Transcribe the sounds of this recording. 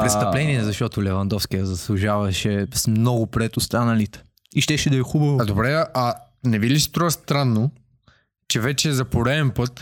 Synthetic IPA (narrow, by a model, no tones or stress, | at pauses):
pɾɛt̪t̪ɐplɛniɛzɐʃt̪ɔt̪ʊlɛvɐnd̪ɔfskijəzɐslˠuʒavɐʃɛsmnɔɡʊpɾɛt̪ʊst̪anɐlit̪ɛ̥ | iʃt̪ɛʃɛd̪ɐɛxubɐvod̪obɾɛɐʔɐnɛvilisi̥t̪ɾɔvɐst̪ɾanːo | t͡ʃɛvɛt͡ʃɛzɐpoɾɛɛnpɤt̪